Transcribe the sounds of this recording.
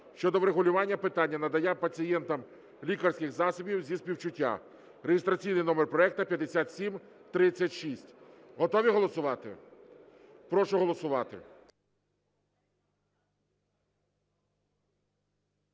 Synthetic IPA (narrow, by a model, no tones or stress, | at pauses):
ʃt͡ʃɔd̪ɔʋɾeɦʊlʲʊʋɑnʲːɐpɪt̪ɑnʲːɐnɐd̪ɐjɛpɐt͡sʲijɛnt̪ɐm | lʲikɐrsʲkɪxzɑsɔbʲiwzʲispʲiwt͡ʃʊtʲːa̰ | rejɪst̪ɾɐt͡sʲijnɪjnɔmerpɾɔɛk̚t̪ɐpʲjɐd̪esʲat̪sʲim | t̪ɾɪt͡sʲːɐtʲʃisʲtʲ | ɦɔt̪ɔʋʲiɦɔlˠɔsʊʋɑt̪ɪ̰ | pɾɔʃʊɦɔlˠɔsʊʋɑt̪ɪ̰